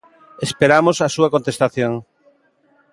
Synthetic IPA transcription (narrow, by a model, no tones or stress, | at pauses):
espeɾamosɐsuɐkõnt̪est̪aθjoŋ